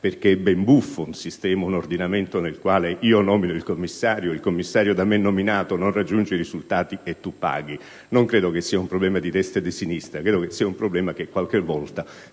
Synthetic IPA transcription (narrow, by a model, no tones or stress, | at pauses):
perk̟eɛbːembufːounsist̪ɛːmaunord̪inament̪onelkwaːleʔiːonɔːminoilkomːisːaːɾjoilkomːisːaːɾjod̪amːenːominaːt̪ononrad͡ʒːund͡ʒeɾizult̪aːt̪iet̪ːupːa̰ːɡi | noŋkɾeːd̪okesːiːaumpɾoblɛːmad̪it̪ɛst̪ad̪esinist̪ɾakɾeːd̪okesːiːaumpɾoblɛːmak̟ekwalk̟evːɔlt̪a